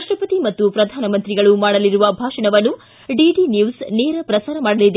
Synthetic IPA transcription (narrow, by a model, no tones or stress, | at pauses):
ʂʈɾɐpɐt̪imɐt̪ːupɾɐd̪ʱaːnɐmɐnt̪ɾiɡɐɭumaːɽɐliɾuʋɐbʱaːʂɐɳɐʋɐnːu | ɖiɖinjuːsneːɾɐpɾɐsaːɾɐmaːɽɐlid̪e